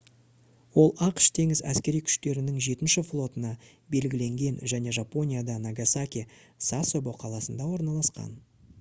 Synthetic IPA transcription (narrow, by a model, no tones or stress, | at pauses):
wo̞lˠɑqʃt̪ʰe̞ŋɪzæ̰skʲe̞ɾijkʲʰʏ̥ʃt̪e̞ɾɪnɪŋʒe̞t̪ɪnʃɪflˠo̞t̪ənɑ | be̞lɡʲɪle̞ŋɡʲe̞nʒæne̞ʒapo̞nʲijad̪ɑnaɡasakʲi | sasobo̞qʰɑlˠɑsənd̪ɑwo̞ɾnɑlˠɑsqɑ̰n